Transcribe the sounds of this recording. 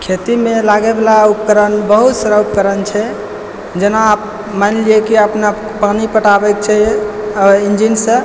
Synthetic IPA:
kʰet̪imelaɡebelaup̚kəɾənbəɦut̪səɾəupkəɾənt͡ʃʰɛ | d͡ʒenaːp̚ | manliekiəpna | panipəʈabɛk̚t͡ʃʰɛ | ind͡ʒinsə̃

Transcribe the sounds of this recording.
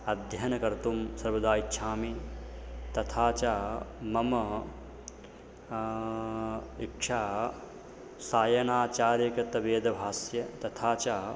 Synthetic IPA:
ɐd̪ʱjɐnɐkɐɾt̪umsɐɾʋɐd̪aːitːʃʰaːmi | t̪ɐt̪ʰaːt͡ʃaːmɐmɐ | ikʂaː | saːjɐnaːt͡ʃaːɾjɐkɐt̪ɐʋeːd̪ɐbʱaːsjɐt̪ɐt̪ʰaːt͡ʃaː

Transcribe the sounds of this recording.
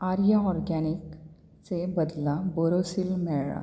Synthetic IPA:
aɾjaɔɾɡanik | t͡sebəd̪labɔɾosilmɛɭɭa̰

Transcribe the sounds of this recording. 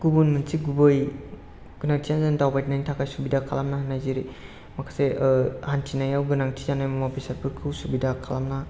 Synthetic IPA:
ɡ̥ubunmɯnsiɡubɯj | ɡ̥ɯnaŋtʰijanzɯndawbajt̚najnitʰakʰajsubidakʰalamnahanːajziɾi | makʰasehantʰinajawɡɯnaŋtʰizanajmmabisaɾpʰɯɾkʰɯwsubidakʰalamna

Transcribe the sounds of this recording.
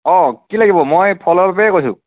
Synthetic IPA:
ɔ̃kilaɡibɔmojpʰɔlɔbapɛɛkojsʊ̰̃

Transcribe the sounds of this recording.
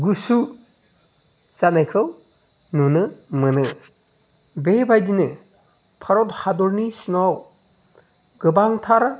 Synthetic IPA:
ɡusu | zanajkʰɯw | nunɯmɯnɯ | bebajdinɯ | pʰaɾɔthadɔɾnisiŋaw | ɡɯbaŋtʰaɾ

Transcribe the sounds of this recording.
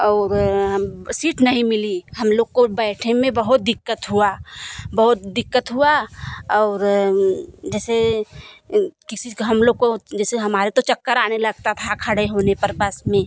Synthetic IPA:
ɔːɾɦsiːʈnɐɦĩmɪliɦɐmloːɡ̚kobɛːʈʰemẽbɐɦʊt̪̚d̪ɪkːət̪ɦuabɐɦʊt̪d̪ɪkːət̪ɦuaɔːɾ | d͡ʒɛːse | kɪsiɦɐmloːɡ̚kod͡ʒɛːseɦɐmaːɾet̪ot͡ʃɐkːəɾaːnelɐɡ̚t̪at̪ʰakʰəɽeɦoːnepɐɾbəsmẽ

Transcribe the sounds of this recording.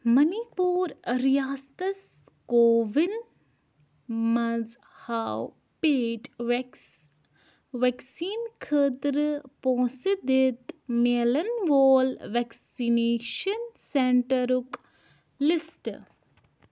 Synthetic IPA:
mɐnipuːɾɾijaːst̪ɐskoːʋin | mɐz | haw | peːʈ | ʋeksiːnkʰəːt̪ɾɨpõːsid̪ɪt̪meːlɐnʋoːlʋɛksineːʃɐnseɳʈɐɾuk | lisʈ

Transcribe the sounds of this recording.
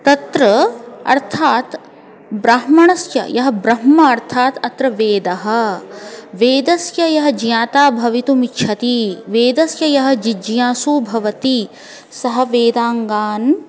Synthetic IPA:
t̪ɐt̪ɾɐɐ̰ɾt̪ʰaːt̪ | bɾaɦmɐɳɐsjɐ̰jɐɦɐbɾɐɦmɐːɾt̪ʰaːt̪ɐt̪ɾɐʋeːd̪ɐɦɐ̆ | ʋeːd̪ɐsjɐjɐɦɐ̆d͡ʒjaːt̪aːbʱɐʋit̪umitːʃʰɐt̪iʋeːd̪ɐsjɐjɐɦɐ̆d͡ʒid͡ʒjaːsuːbʱɐʋɐt̪i | sɐɦɐ̆ʋeːd̪aːŋɡaːn

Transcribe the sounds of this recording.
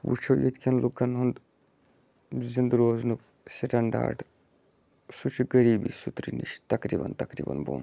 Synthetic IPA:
wṵt͡ʃʰoːjet̪kʰʲɐnlukːɐnɦund̪ | zind̪ɾoːznuk | siʈʰɐɳɖa̰ːʈ | sut͡ʃʰiɡɐɾiːbḭsut̪ɾinḭʃt̪ɐkɾiːbɐ̰nt̪ɐkɾḭbɐ̰nbo̰ːn

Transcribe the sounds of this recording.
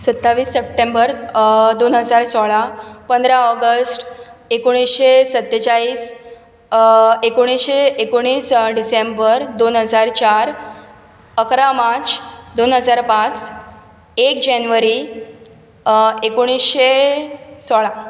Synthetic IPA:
sət̪ːaʋiːsːep̚ʈembəɾd̪onɦəd͡zaɾsɔɭapənd̪ɾaɔɡəsʈekoɽ̃isɕesət̪ːət͡ɕaiːs | ekoɽ̃isɕeːkoɽ̃iːsɖisembəɾd̪onɦəd͡zaɾt͡ɕaɾ | əkɾamãt͡sd̪onɦəd͡zaɾpãt͡s | ek̚d͡ʑanʋəɾi | ekoɽ̃isɕe | sɔɭa

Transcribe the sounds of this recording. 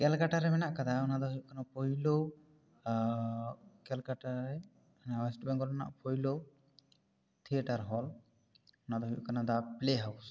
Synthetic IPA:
kɛlkaʈaɾɛmɛnaʔkad̪aɔnad̪ɔɦɔjuʔkanapʰɔjlo | kɛlkaʈaɛ | nawɛsʈbɛŋɡɔlɛna̰ʔpʰɔjlo | t̪ʰiɛʈaɾɦɔl | ɔnad̪ɔɦujṵʔkanad̪apleɦaws

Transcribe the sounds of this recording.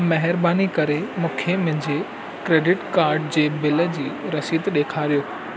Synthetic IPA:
mɐɦɪɾbaːnikɐɾemʊ̃ːkʰemʊ̃ɦɪ̃ɲd͡ʑe | kɾeːɖɪʈkaːɾɖd͡ʑeːbɪlə̆d͡ʑiːɾɐsiːt̪ɗeːkʰaːɾijoː

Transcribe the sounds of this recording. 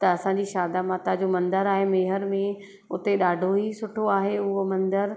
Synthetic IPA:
t̪ɐɐsãɲd͡ʑiːʃaːd̪amãːt̪ad͡ʑomɐ̃nd̪əɾaːɦemeːɦəɾmẽ | ʊt̪eɗaːɖʱoɦisʊʈʰoaːɦeʊɦomɐ̃nd̪əɾ

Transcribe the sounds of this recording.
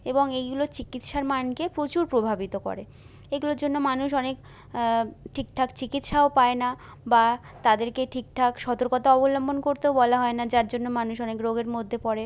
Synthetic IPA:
eboŋejɡulot͡ɕikit̪ʃaɾmankepɾot͡ɕuɾpɾobʱabit̪okɔ̰ɾe | eɡulod͡ʑonːomanuʃɔnek | ʈʰik̚ʈʰakt͡ɕikit̪ʃaopaena | ba | t̪ad̪eɾkeʈʰik̚ʈʰakʃɔt̪oɾkot̪aɔbolɔmbonkoɾt̪eobɔlaɦɔenad͡ʑaɾd͡ʑonːomanuʃɔnekɾoɡeɾmod̪ʱːepɔɾe

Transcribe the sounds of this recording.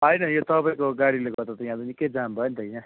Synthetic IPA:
ʌjnʌjot̪ʌpaĩkoɡaɽileɡ̪ʌɾd̪at̪ʌjãd̪onikːʌjd͡zambʱʌnt̪ʌjna

